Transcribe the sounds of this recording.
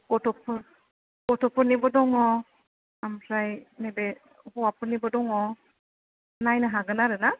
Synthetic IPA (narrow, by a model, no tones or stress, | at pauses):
kɔtʰɔpʰɯɾ | kɔtʰɔpɯnibɔdɔŋɔ | amsʰɾajnebe | hɔwapɯnibɔdɔŋɔ | najnɯɦaɡɯnaɾɯna